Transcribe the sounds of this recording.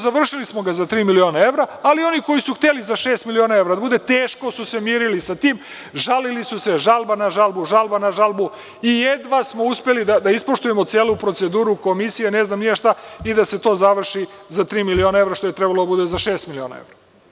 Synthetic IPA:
zaʋr̩ʃilismo̞ɡazat̪ɾiːmilio̞ːnae̞ʋɾaalio̞niko̞jisuxt̪elizaʃe̞ːst̪milionaevɾad̪abud̪e̞t̪eːʃko̞suse̞mjiːɾilisat̪iːm | ʒalilisuse̞ʒalˠbanaʒalˠbuʒalbanaʒalˠbu | ijed̪ʋasmo̞uspelid̪ad̪aispo̞ʃt̪uje̞mot̪seːlupɾo̞t̪se̞d̪uːɾuko̞misijene̞znaːmnijeʃt̪aid̪ase̞t̪o̞ːzaʋr̩ʃizat̪ɾiːmilio̞ːnae̞vɾaʃt̪o̞jet̪ɾebalod̪abud̪e̞zaʃe̞ːst̪milio̞ːna̰ḛʋɾa

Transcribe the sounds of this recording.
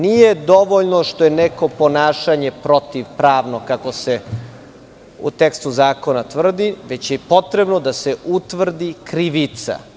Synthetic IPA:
nije̞d̪o̞ʋoʎnoʃt̪ojeneko̞po̞naːʃaɲe̞pɾo̞t̪iʋpɾaːʋnokako̞se | ṵt̪ekst̪uzaːko̞nat̪ʋr̩d̪iʋet͡ɕjepo̞t̪ɾebnod̪aseʔut̪ʋr̩d̪ikɾiʋit̪sa̰

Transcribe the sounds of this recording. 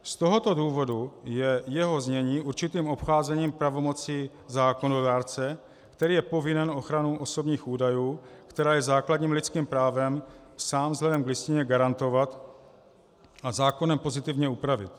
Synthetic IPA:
st̪o̞ɦo̞t̪o̞duːvo̞dujɛjɛɦo̞zɲɛɲiːʔuɾt͡ʃɪt̪iːmo̞pxaːzɛɲiːmpɾavo̞mo̞t͡si | zaːko̞nodaːɾt͡sɛ | kt̪ɛɾiːjɛpo̞vɪnɛnʔo̞xɾanuʔo̞so̞bɲiːxuːdajuːkt̪ɛɾaːjɛzaːkladɲiːmlɪt͡skiːmpɾaːvɛmsaːmzɦlɛdɛmɡlɪscɪɲɛɡaɾant̪o̞vat̪ | azaːko̞nɛmpo̞zɪt̪ɪvɲɛupɾavɪ̰t̪

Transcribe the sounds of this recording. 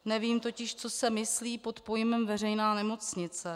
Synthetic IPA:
nɛviːmt̪o̞cɪʃt͡so̞sɛmɪsliːpo̞t̪po̞jɪmɛmvɛr̝ɛjnaːnɛmo̞t͡sɲɪt͡sɛ

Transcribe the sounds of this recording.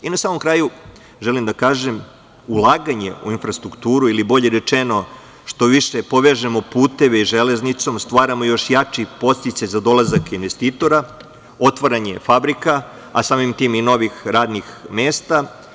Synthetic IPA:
inasaːmo̞mkɾaːju | ʒelimd̪akaːʒe̞m | ulˠaːɡaɲe̞̰ṵinfɾast̪ɾukt̪uːɾuilibo̞ʎe̞ɾe̞t͡ʃeno̞ | ʃt̪o̞ʋiʃepo̞ʋeʒemo̞puːt̪e̞ʋeiʒele̞znit̪so̞mst̪ʋaːɾamojo̞ʃjat͡ʃipo̞st̪it̪sajzad̪o̞lˠazakinʋest̪iːt̪o̞ɾa | o̞t̪ʋaɾaɲe̞fabɾika | asaːmimt̪iːmino̞ʋixɾaːd̪nixmeːst̪a

